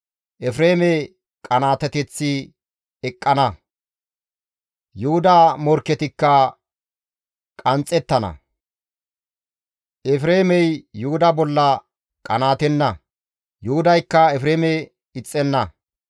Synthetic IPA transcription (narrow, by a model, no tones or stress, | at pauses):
ʔɛfɾeːmɛ | kʼɐnaːt̪ɛt̪ɛt͡sːɪ | ɛkʼːɐnɐ | jʊhʊd̪aːmɔɾkːɛt̪ɪkːɐ | kʼɐnt͡sʼːɛt̪ːɐnɐ̰ | ʔɛfɾeːmɛjːʊhʊd̪ɐbɔlːɐ | kʼɐnaːt̪ɛnːɐ | jʊhʊd̪ɐjkːɐɛfɾeːmɛ | ɪt͡sʼːɛnːɐ